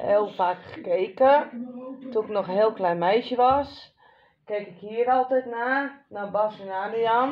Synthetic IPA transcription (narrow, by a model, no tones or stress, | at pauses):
heːlˠfaːkχə̥kejkə | tuɪknɔxənɦeːlˠklɛjnmɛjsjəʋɔs | kejkɪkhiːəɾɔlˠtɛjtnaːnabɔsənaːniam